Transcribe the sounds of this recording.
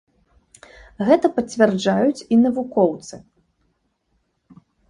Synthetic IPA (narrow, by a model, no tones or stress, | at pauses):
ɣɛt̪ɐpɐt͡sʲvʲɛrd͡ʐajut͡sʲinɐvukɔwt̪sɨ